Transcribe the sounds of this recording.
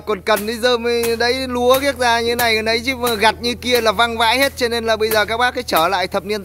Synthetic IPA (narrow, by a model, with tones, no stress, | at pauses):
kɔ˨˩nkə˨˩nɗi˧˦zəː˧˩mi˨˧ɗə˨˦jlu˨˦əɣi˦˥ək̚zaː˧ɲɨ˧t̪ʰe˦na˨˩jkə˨˩nɗə˨˦jt͡ɕi˨˦˨ɣa˨˩t̚ɲɨ˧ki˧əlaː˨˩va˧ŋva̰ː˧˥jhe˦˥t̚t͡ɕɔ˧ne˧nlaː˨˩ɓə˧jzəː˨˩kaː˦˥k̚ɓaː˦˥k̚kːa˨˦t͡ɕəː˧˩la̰ː˧˨jt̪ʰə˨˩p̚ni˧ən